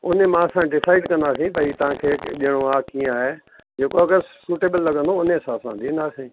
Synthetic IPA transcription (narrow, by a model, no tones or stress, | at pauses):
ʊnemãɐsãɖɪsaːɪɖkɐ̃nd̪aːsĩt̪ɐit̪ɐʋ̤ãkʰeːʄiəɽ̃oaːkĩːaːɦe | d͡ʒeːkokessuːʈeːbəlːɐɡə̃nd̪oʊnesãsãd̪ind̪aːsĩ